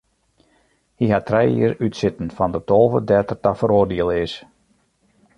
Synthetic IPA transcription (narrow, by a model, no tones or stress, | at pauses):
hiɦatʰrɛjḭəɾytsɪtən̩fɔndətoːvədɛtərtafəɾoːrdiəlˠɪs